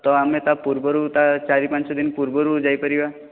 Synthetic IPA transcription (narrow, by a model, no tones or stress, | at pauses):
t̪ɔamet̪apuɾbəɾut̪at͡ʃaɾipãt͡ʃsɔd̪inpuɾbəɾud͡zajpəɾiʋa